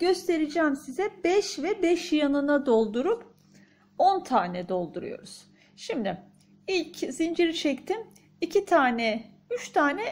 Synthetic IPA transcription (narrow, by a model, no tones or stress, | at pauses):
ɟ̥ø̞st̪ʰe̞ɾid͡ʒɛːmsizɛbɛʃvɛbɛʃjanɯnad̪o̞lˠd̪uɾup | o̞nt̪ʰaːnɛd̪o̞lˠd̪uɾṵjo̞̰ɾuz̥ | ʃimd̪ɪ | ilʲcz̥ind͡ʒiɾit͡ʃʰɛct̪ʰim | icʰit̪ʰaːnɛ | yt͡ʃt̪ʰaːnɛ